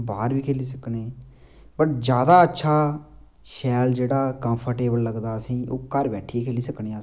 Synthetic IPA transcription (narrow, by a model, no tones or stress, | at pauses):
baːɾʋiːkʰeːliːs̬əkneː | bəʈ̚d͡ʒjaːd̪aːətːʃʰaː | ʃɛːld͡ʒeːɽaːkə̃mpʰəɾʈeːbəlːəɡd̪aːəsĩːʔoːkəɾbɛːʈʰieːkʰeːliːsəkɳẽː